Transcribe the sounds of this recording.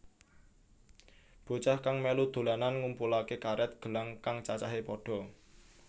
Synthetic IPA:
b̥o̤t͡ʃahkaŋmɛlud̪̥o̤lananŋumpulakekaɾɛt̪̚ɡ̥ə̤laŋkaŋt͡ʃat͡ʃaɦepɔɖ̥ɔ̤

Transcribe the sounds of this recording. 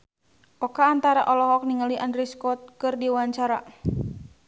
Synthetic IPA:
ʔɔkaːnt̪aɾaʔɔlɔɦɔk̚niŋaliʔandɾiskɔt̪̚kɨrdiwaɲt͡ʃaɾa

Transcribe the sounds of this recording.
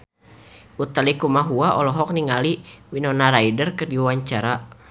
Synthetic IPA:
ut̪alikumaɦuaʔɔlɔɦɔk̚niŋaliwinɔnaɾaidərkɨrdiwaɲt͡ʃaɾa

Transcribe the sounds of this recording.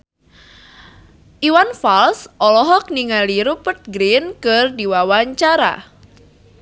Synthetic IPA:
ʔiwanfalsʔɔlɔɦɔk̚niŋaliɾupət̪̚ɡɾinkɨrdiwawaɲt͡ʃaɾa̰

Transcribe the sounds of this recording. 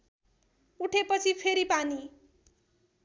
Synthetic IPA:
uʈʰepʌt͡sʰipʰeɾipani

